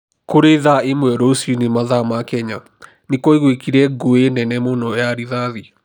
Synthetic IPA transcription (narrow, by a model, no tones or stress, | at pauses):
koɾeðaemwɛɾosunemaðamakɛɲa | nekɔiɣwekiɾɛɡoenɛnɛmonɔjaɾiðaði